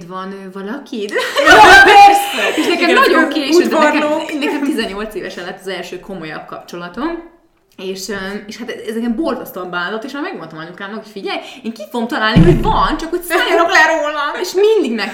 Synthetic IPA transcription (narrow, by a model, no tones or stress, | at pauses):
t̪vɒnøːvɒlɒkit̪ | ɛsɛeːʃnɛkɛmɒɟo̞ŋkeːʃunkɛonɛkɛmt̪izɛɲːo̞lt̪seːvɛʃɛlːɛt̪ːɒzɛlʃøːkʰo̞mo̞jɒ̰b̚kɒpt͡ʃo̞lɒt̪o̞m | eːʃøeːʃhat̪ɛɛzɛkɛmbo̞lzɒst̪ɒmbaːd̪ot̪ːeːʃamɛɡmont̪ɒmɒɲukaːnokfiɟɛjeːŋkifoɡomt̪ɒlaːlniɦoɟvɒnt͡ʃɒkocsaːɾoklɛɾoːlɒmeʃmind̪iɡnɛk